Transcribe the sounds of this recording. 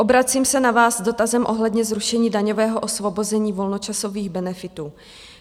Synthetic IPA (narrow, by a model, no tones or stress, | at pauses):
ʔo̞bɾat͡siːmsɛnavaːsdo̞t̪azɛmʔoɦlɛdɲɛzɾuʃɛɲiːdaɲovɛːɦoʔosvo̞bo̞zɛɲiːvo̞lnot͡ʃasoviːɣbɛnɛfɪt̪uː